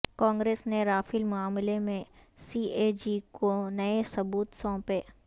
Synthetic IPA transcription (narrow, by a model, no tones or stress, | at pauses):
kãːŋɡɾeːsneɾaːfɪlmʊaːmɪlemẽsiːʔeːd͡ʒikonɐesɐbuːt̪sɔ̃ːpeː